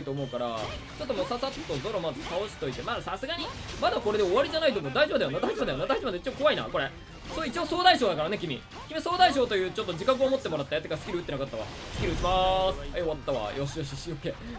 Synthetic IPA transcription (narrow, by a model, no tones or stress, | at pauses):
it̪o̞ːmo̞ɯ̟kaɾa̰ | t͡ɕo̞t̪ːomosasat̪ːod̪o̞ɾo̞mazɨk̪ao̞ɕi̥t̪o̞it̪e̞maːsasɨɡaɲ̟imad̪ako̞ɾe̞d̪e̞oβaɾʲiʑanait̪oːmod̪aiʑo̞bɯd̪ajonad̪aiʑo̞bɯd̪ajonad̪aiʑobad̪ait͡ɕioːko̞βaina̰ko̞ɾe̞ | soit͡ɕioso̞ːd̪aiɕoːd̪akaɾane̞kʲimʲḭ | kʲimʲiso̞ːd̪aiɕ̬o̞ːt̪o̞jɯ̟ːt͡ɕo̞t̪ːod͡ʑikak̬ɯ̟omo̞t̪ːe̞mo̞ɾat̪ːajet̪ːekasɨ̥iɾɯɯ̟t̪ːenakat̪ːaβa̰ | sɨ̥kʲiɾɯɯkʲimasɨ̥eoβat̪ːaβa̰jʔo̞ɕijo̞ɕiɕiokːe